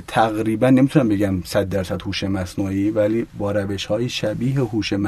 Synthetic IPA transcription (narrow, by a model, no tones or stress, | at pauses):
t̪ʰæɣɾiːbænːe̞mit̪unæmbe̞ɟæmsæd̪̚d̪æɾsæd̪̥huːʃemæsnuːiːvæliːbɒːɾæve̞ʃhɒːjiʃæbiːɦeɦuːʃem